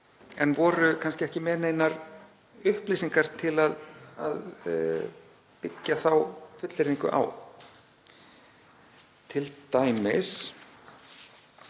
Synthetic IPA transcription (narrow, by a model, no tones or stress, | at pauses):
ɛnvɔːɾʏkʰanscɪɛhcɪmɛːɾneːjnaɾ | ʏhpliːsiŋkaɾ̥t̪ʰɪlaða̰ð | pɪcːaθawfʏt̪lɪɾiŋkʏ̰ʔa̰w | t̪ʰɪlt̪aːjmɪs